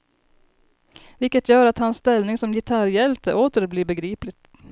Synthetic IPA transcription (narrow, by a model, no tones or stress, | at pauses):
ʋɪlkət̪jøːɾɑt̪hɑnst̪ɛlnɪŋsɔmjɪt̪ʰɑɾjɛlt̪ə̰ʔoːt̪əɾbliːbəɡɾiːplɪt̪